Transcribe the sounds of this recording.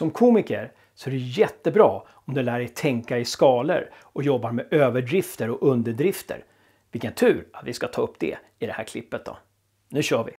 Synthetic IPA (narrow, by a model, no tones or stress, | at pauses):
sɔmkʰuːmɪkəɾ | sɔæɾɛjɛt̪ːəbɾɑː | ɔmd̪ɛlæːɾɛt̪ʰɛŋkaɪskɑːlə̰ɾ | ɔjɔbːaɾmɛʔøːvəɖɾɪft̪əɾɔʔɵnd̪əɖɾɪft̪ʰə̰ɾ | vɪlkənt̪ʰʉ̟ːɾat̪vɪskat̪ʰɑːɵpːd̪ɛ̰ | ɪd̪ɛhæːɾkʰlɪpːət̪̚d̪ɔ̰ | nʉ̟ːɕœːvɪ̰